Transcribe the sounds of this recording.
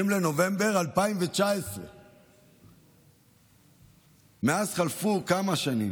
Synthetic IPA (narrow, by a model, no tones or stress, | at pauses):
imleno̞ve̞mbe̞ʁalpaimvet͡ʃaesʁḛ | meazχalfukamaʃanḭm